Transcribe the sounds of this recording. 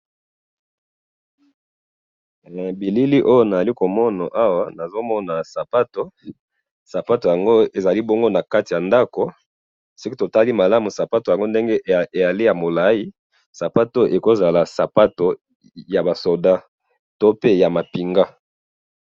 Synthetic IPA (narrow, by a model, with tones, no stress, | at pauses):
bi˨li˦li˦ʔo˦jo˦na˨za˨li˦ko˨mɔ˦na˨ʔa˦wa˦na˨zo˦mɔ˦na˨sa˨pa˦to˨ | sa˨pa˦to˨ja˨ŋɡo˦e˨za˨li˦bo˦ŋɡo˦na˨ka˦ti˨ja˨nda˦ko˨ | si˦ki˦to˨ta˦li˦ma˨la˦mu˨sa˨pa˦to˨ja˨ŋɡo˦nde˦ŋɡe˦e˨ja˨li˦ja˨mo˨la˦ji˦ | sa˨pa˦to˦ʔe˨ko˦za˨la˨sa˨pa˦to˨ | ja˨ba˨so˨da˦ | to˦pe˦ja˨ma˨pi˨ŋɡa˦